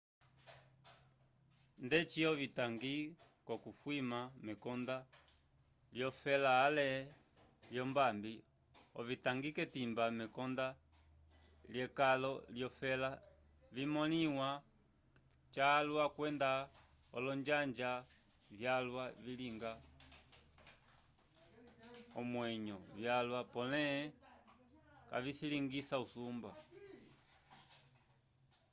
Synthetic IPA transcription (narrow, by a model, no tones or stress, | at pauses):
ndɛt͡ʃiɔvitaŋɡikɔkufwimamɛkɔnda | ljɔfɛlaːlɛ | ljɔmbambi | ɔvitaŋɡikɛtimbamɛkɔnda | ljɛkalɔljɔfɛla | vimɔniwa | t͡ʃalwakwɛnda | ɔ̰lɔɲd͡ʒaɲd͡ʒa | vjalwaviliŋɡa | ɔmwɛɲɔvjalwapɔnɛ | ka̰visiliŋɡisausumba